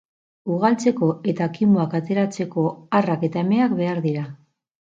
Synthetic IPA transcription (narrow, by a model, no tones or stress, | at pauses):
uɣalt͡se̞ko̞e̞t̪akimoakat̪e̞ɾat͡se̞ko̞arake̞t̪ae̞me̞akbe̞aɾðiɾa